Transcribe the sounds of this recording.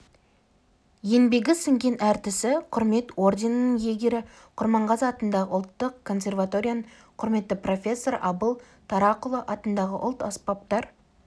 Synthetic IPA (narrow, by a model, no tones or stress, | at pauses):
je̞nbe̞ɡʲɪsɪŋɡʲe̞nʔæɾt̪ɪsɪqʰʊɾme̞t̪o̞rd̪ʲe̞nənəŋje̞ɡʲe̞ɾɪ | qʰʊɾmɑɴʁɑzɑt̪ənd̪ɑʁəʊlˠt̪ːəqkʰːo̞nsʲe̞rvat̪o̞ɾʲijan | qʰʊɾme̞t̪ːɪpro̞fʲe̞sːo̞ɾɑbəlˠ | t̪ʰɑɾɑqʊlˠəʔɑt̪ənd̪ɑʁəʔʊlˠt̪ɑspɑp̚t̪ɑɾ